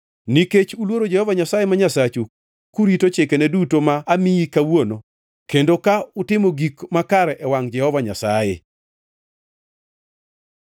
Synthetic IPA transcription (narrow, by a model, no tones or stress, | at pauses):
niket͡ʃulwoɾod͡ʒɛhɔvaɲasajemaɲasat͡ʃu | kuɾitot͡ʃekɛnɛdutomaːmiikawono | kendokaʊtɪmoɡikmakaɾɛʔɛwaŋd͡ʒɛhɔvaɲasajḛ